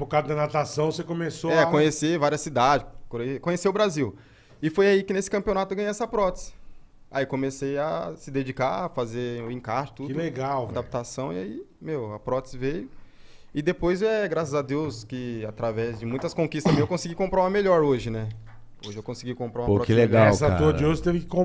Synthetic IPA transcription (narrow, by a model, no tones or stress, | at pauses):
pokad̪ʊd̪ɐnat̪asɐ̃w̃sekõmesoɛkõɲesevaɾiɐsid̪ad͡ʒɪkkõɲesiʊbɾaziw | ɪfojaikɪnesɪ̥kɐ̃mpiõnat̪ʊewɡɐ̃ɲeɛsɐpɾɔt̪ɪ̥zɪ̥a̰iwkõmeseja̰sɪd̪ed͡ʒikafazeʊĩkaʃʊ̥t̪ud̪leɡawad̪ap̚t̪asɐ̃w̃iaimewɐpɾɔt̪ɪ̥zvejʊɪd̪epojzɛɡɾasɐzad̪ewskɪat̪ɾavɛzd͡ʒɪmũj̃t̪ɐskõkist̪ɐmẽj̃ewkõsiɡikõmpɾaũmɐmeʎɔɾoʒɪnɛ | oʒɪewkõsiɡikõmpɾaũmɐpoɾɔkɪleɡawsat̪od͡ʒɪoʒɪt̪evɪkɪ̥kõ